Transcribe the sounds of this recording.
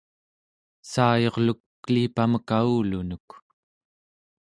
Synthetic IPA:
saːjo̞ʁlukːliːpaməkauːlunuk

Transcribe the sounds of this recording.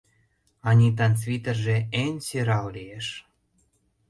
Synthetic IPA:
ɑnʲit̪ɑnt͡sβit̪ərʒeenʲseɾɑwlieʃ

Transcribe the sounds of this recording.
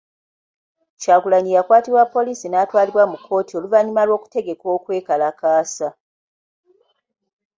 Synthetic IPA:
t͡ʃaːɡulaɲijakwaːtiβwapːo̞lisinaːtwaːliɾwamukʰːo̞ːtio̞luvaɲimalwo̞ːku̥te̞ɡe̞kwo̞ːkwe̞ːkalakaːsa

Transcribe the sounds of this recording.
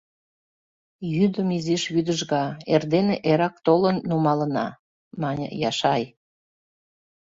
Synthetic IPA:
jyd̪əmiziʃβyd̪əʒɣɑerd̪eneʔeɾɑk̚t̪olənːumɑlənɑ̰ | mɑnʲə̰jɑʃɑj

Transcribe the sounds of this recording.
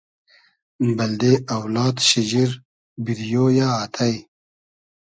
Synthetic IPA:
mbɐld̪eʔɐwlɑːt̪ɕid͡ʑiɾ | biɾijoːjaːt̪ʰaj

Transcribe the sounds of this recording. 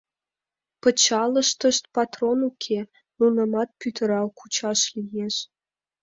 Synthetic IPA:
pə̆t͡ɕɑlə̆ʃt̪ə̆ʃt̪̚pɑt̪ronukʰe | munɤ̆mɑt̪̚pyt̪ə̆ɾɑkut͡ɕɑʃlijeʃ

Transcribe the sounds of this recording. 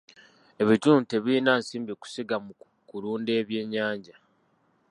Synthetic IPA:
e̞βituːnte̞βiːnaːnsiːmbiku̥siɡamu | kuluːnde̞ːβje̞ːɲːaːɲɟa

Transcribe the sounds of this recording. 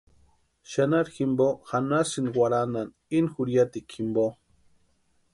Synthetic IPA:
ʃanaɾximboxanasinwaɾanan | inxuɾjat̪ikʰimbo

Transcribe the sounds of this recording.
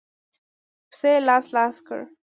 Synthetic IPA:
pselaːslaːskə̰ɹ

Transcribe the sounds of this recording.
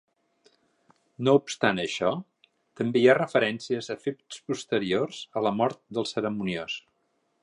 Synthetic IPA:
noupst̪anəʃɔ | t̪əmbeiarəfəɾɛnsiəzəfep̚t̪spust̪əɾiorz̥ələmɔɾt̪̚d̪əlˠsəɾəmunios

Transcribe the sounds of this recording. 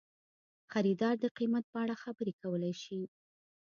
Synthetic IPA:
xaɾid̪ɑɾd̪əqimat̪̚pəaɽaxabəɾekawəlajʃi

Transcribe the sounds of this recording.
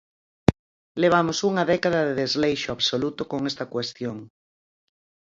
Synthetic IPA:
leβ̞amosuŋaðɛkaðaðeðezlejʃoaβsolut̪okoŋest̪ɐkwest̪joŋ

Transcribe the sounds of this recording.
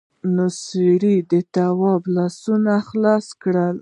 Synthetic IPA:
nosiɾid̪ət̪awɑblɑsunaxlɑskɽəl

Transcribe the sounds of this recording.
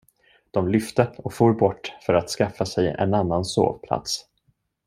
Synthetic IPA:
d̪̥ɔmlʏft̪əɔkfuːɾbɔʈːfœɾat̪skafːasɛjɛ̰nanːanso̰ːvpʰla̰t̪s

